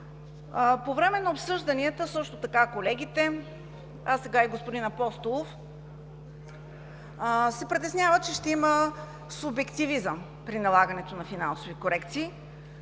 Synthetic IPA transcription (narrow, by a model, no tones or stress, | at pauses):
povɾɛmɛnɐopsɤʒd̪ɐniət̪əsɤʃt̪ot̪ɐkakolɛɡ̟it̪ɛ | asːɛɡaiɡospʊd̪inɐpɔst̪olˠof | sɛpɾit̪ɛsnʲavət͡ʃɛʃt̪ɛimə | subɛkt̪ivizəm | pɾinɐlˠaɡənɛt̪onɐfinansovikoɾɛkt̪siː